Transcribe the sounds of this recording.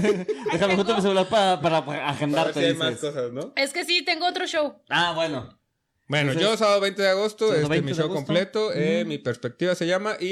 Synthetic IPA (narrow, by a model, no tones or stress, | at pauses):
d̪examexust̪ombes̬elaɾpaɾapaɾaːxend̪aɾeeajmaskosasnoeske̞sit̪e̞ŋɡoot̪ɾoʃowaβweno | bwennoʝo̞saβaðoβe̞jnt̪eðeaɣo̞st̪oeemiʃowko̞mple̞t̪o̞emipeɾspek̚t̪iβase̞ʝamaʔi